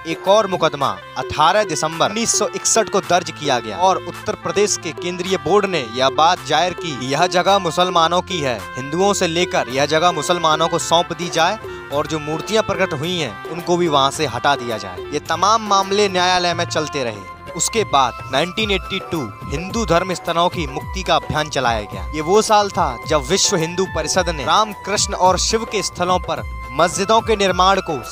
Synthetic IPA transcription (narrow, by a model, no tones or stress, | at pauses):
eːkɔːɾmʊkəd̪ma̰ | ɐʈʰaːɾəɦd̪ɪsə̃mbəɾnːiːsːɔʔɪksəʈkod̪ɐɾd͡ʒkijaɡɐja̰ːɔːɾʊt̪ːəɾpɾəd̪eːʃkekẽːnd̪ɾijəboːɾɖnejɐɦbaːt̪d͡ʒaːɪɾkijɐɦd͡ʒɐɡaɦmʊsəlmaːnõkiɦɛ̰ːhɪ̃nd̪uõseleːkəɾjɐɦd͡ʒɐɡəmʊsəlmaːnõkosɔ̃ːpd̪id͡ʒaːe | ɔːɾd͡ʒoːmuːɾt̪ijãpɾɐkəʈɦʊĩɦɛ̰̃ | ʊnkobʱiʋɐɦãseɦɐʈad̪ija̰d͡ʒa̰ːḛːjet̪ɐmaːmːaːmlenjaːjaləjmẽt͡ʃɐlt̪eɾɐɦḛː | ʊskebaːd̪naːɪ̃ɳʈiːneːʈːiʈuːhɪ̃nd̪ud̪ʱɐɾmɪst̪ʰəlõkimʊk̚t̪ikaɐbʱjaːnt͡ʃɐla̰ːja̰ɡɐ̰ja̰ːjeʋosaːlt̪ʰad͡ʒɐbʋɪʃʋəɦɪ̃nd̪upɐɾɪʃəd̪neɾaːmkɾɪʃnɔːɾʃɪʋkest̪ʰəlõpɐɾ | mɐzd͡ʒɪd̪õkenɪɾmaːɽ̃ko